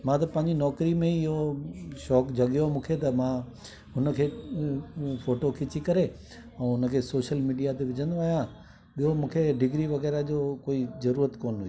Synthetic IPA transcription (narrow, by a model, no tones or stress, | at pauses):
mãːt̪ɐpɐ̃ɦɪ̃ɲd͡ʑinɔːkɾimẽɪɦoʃɔːkd͡ʑʱɐɠjomũːkʰet̪ɐmãː | ɦʊnə̆kʰeː | foːʈokʰɪt͡ɕikɐɾe | ɛ̃ːɦʊnə̆kʰeːsoːʃəlmiːɖijat̪eʋɪd͡ʑʱə̃nd̪oaːɦijã | ɓiɦomũːkʰeɖɪɡɾiʋɐɣɛːɾad͡ʑoːkoːizɐɾuːɾət̪koːnɦʊi